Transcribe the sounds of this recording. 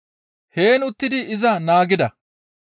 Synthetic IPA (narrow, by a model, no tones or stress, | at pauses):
he̞ːnʊt̪ːɪd̪ɪɪzɐnaːɡɪd̪ɐ